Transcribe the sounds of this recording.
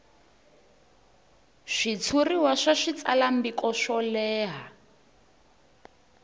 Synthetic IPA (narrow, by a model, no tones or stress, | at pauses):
ʂit͡sʰuriwaʂaʂit͡sa̰lambikɔʃɔlɛːɦa